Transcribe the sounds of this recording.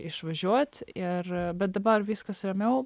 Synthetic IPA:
ɪʃʋɐʒʲuɔt̪ʲɪɾbɛt̪̚d̪ɐbɐɾʋʲiskɐsɾʲɛmʲɛw

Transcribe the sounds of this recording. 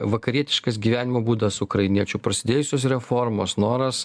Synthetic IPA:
ʋɐkɐɾʲiɛt̪ʲɪʃkɐsɡʲiːʋʲæːnʲɪmoːbuːd̪ɐsʊkɾɐɪnʲiɛt͡ʃʲʊpɾɐsʲɪd̪ʲeːjʊsʲoːsɾʲɛfoːɾmoːsnoːɾɐs

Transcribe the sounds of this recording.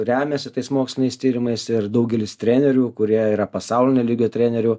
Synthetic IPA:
ɾʲæːmʲɛsʲɪt̪ɐɪsmoːksʲlʲɪnʲɛɪst̪ʲiːɾʲɪmɐɪsɪrd̪ɐʊɡʲɛlʲɪst̪ʲɾʲæːnʲɛɾʲuːkʊɾʲiɛiːɾɐpɐsɑʊlʲɪnʲeːlʲiːɡʲoːt̪ʲɾʲæːnʲɛɾʲʊ

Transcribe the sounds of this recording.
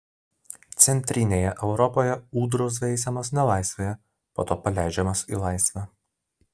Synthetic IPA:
t̪sʲɛnʲt̪ʲɾʲɪnʲeːjɛʔɛʊɾɔpoːjɛuːd̪ɾos̬ɛɪsʲɛmɐs̬nʲɛlˠɑˑɪsʲʋʲeːjɛ | po̰ːt̪oːpɐlʲæˑɪd͡ʒʲɛmɐsḭlˠɑˑɪsʲʋʲæː

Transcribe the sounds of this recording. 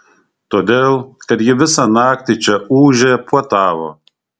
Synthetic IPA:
t̪oːd̪ʲeːlˠkɐt̪jɪʋʲɪsɑnɑːkt̪ʲit͡ʃʲɛuːʒʲeːpuɔt̪ɑːʋo̰ː

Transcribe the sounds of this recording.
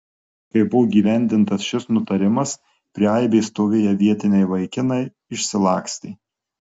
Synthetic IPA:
kɐɪbʊʋoːɡʲiːʋʲæˑnʲd̪ʲɪnt̪ɐsʃʲɪsnʊt̪ɐɾʲɪmɐs | pʲɾʲɪaɪbʲeːst̪oːʋʲejɛʋʲiɛt̪ʲɪnʲɛɪʋɐɪkʲɪnɐɪ | ɪʃʲsʲɪlˠɑːksʲt̪ʲeɪ

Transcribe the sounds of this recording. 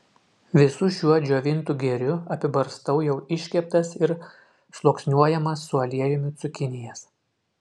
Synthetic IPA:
ʋʲɪsʊʃʲuɔd͡ʒʲoːʋʲɪnt̪uɡʲɛɾʲʊɐpʲɪbɐɾst̪ɐʊjɛʊɪʃʲkʲɛp̚t̪ɐsɪɾ | ʃlˠoːksʲnʲuɔjɛmɐsːʊɐlʲiɛjʊmʲɪt̪sʊkʲɪnʲɪjɛs

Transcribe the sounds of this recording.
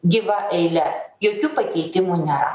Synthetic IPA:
ɡʲɪʋɐʔɛɪlʲɛjoːkʲuːpɐkʲɛːt̪ʲɪmuːnʲɛːɾɐ̰

